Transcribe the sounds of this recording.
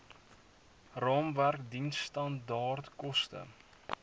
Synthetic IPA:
rɑːmværkdinstɐndɑːrtkɔstə̰

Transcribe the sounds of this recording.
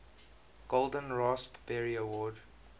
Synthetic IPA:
ɡ̥olˠdə̃nɹɑspb̥ɛɹiəwɔːd

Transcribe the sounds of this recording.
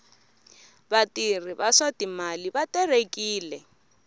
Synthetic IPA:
batir̤ibasatimalibatʼɛrekʼiːlɛ

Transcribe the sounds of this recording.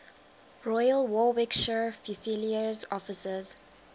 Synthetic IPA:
ɹɔjəlwɔwɛkʃəfisiliəzɔfɪsəz

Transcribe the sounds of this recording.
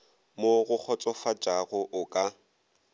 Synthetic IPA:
moɣʊk͡xʰɔt͡sʼɔfat͡ʃʼaɣʊʔʊkʼa

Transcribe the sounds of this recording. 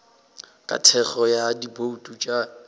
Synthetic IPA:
kʼa̰tʰɛχɔjadiboutʼut͡ʃʼa

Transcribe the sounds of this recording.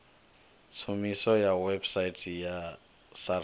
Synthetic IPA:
t͡sʰumisɔjawebsaitʰʼja | sa

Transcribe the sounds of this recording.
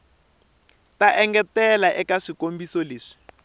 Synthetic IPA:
taʔɛŋɡɛtɛlaʔɛkaʂikombisɔleːʂi̥

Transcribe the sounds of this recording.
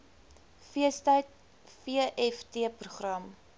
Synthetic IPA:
fiəstəjt̚ | fiəʔɛftiəpruχrɐm

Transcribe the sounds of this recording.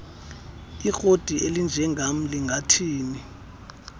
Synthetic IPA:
ixod̥ʱielind͡ʒʱɛŋʱam̩liŋɡʱatʰiːni

